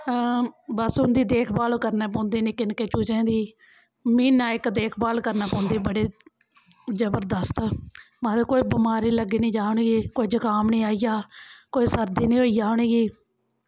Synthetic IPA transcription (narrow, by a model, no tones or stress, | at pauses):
bəsɦʊ̃nd̪iːd̪eːkʰbaːlkəɾneːp̬õːnd̪iːnɪkɪnkeːt͡ʃuːt͡ʃẽːd̪iː | miːnaːɪkd̪eːkʰbaːlkəɾnãːpɔ̃ːnd̪iːbəɽeː | d͡ʒəbəɾd̪əst̪ | mãːd̪eːkoːiːbɪmaːɾiːləɡiːnĩːd͡ʒaːɳeːɡiːkoːiːd͡ʒəkaːmnĩːaːijaːkoːiːsəɾd̪iːnĩːɦoːiːd͡ʒaːoɳeːɡiː